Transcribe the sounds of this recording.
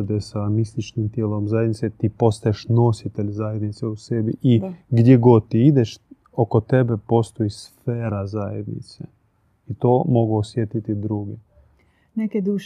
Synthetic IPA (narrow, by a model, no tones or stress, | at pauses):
d̪esamist̪it͡ʃnimt̪jeːlomzajed̪nit̪set̪ipo̞st̪ajeʃno̞sit̪eʎzajed̪nit̪seusebiʔiɡd̪jeɡo̞d̪̚t̪ːiid̪eʃ | okot̪e̞bepo̞st̪o̞isfeːɾazajḛd̪nḭt̪se | it̪oːmo̞ɡuosjet̪it̪id̪ɾuɡe | neked̪uːʃ